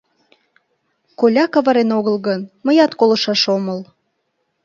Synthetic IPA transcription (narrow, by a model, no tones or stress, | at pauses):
kolʲɑkɑβɑɾenoɣəlɣənməjɑt̪kolɤ̆ʃɑʃoməl